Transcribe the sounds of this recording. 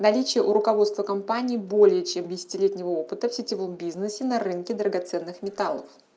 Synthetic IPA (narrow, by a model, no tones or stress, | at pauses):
nɐlʲit͡ɕɪjəʔʊɾʊkɐvo̞t̪st̪vəkɐmpanʲiːbo̞lʲɪjət͡ɕemdʲɪsʲɪ̥tʲɪlʲetʲnʲɪvəopɨt̪əfsʲɪtʲɪvo̞mbʲiznɨsʲɪnɐɾɨnkʲɪd̪ɾəɡɐt̪sɛnːɨxmʲɪt̪alˠəf